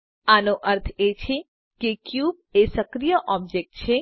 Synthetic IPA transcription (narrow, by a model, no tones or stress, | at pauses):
anoʔəɾt̪ʰet͡ʃʰe | kekjub̚esəkɾijəʔɔb̚d͡ʒek̚ʈt͡ʃʰe